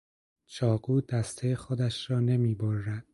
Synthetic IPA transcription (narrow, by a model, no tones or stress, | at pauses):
t͡ʃʰɒːɡuːd̪æst̪ʰejexod̪æʃɾɒːne̞miːboɾːæd̪̥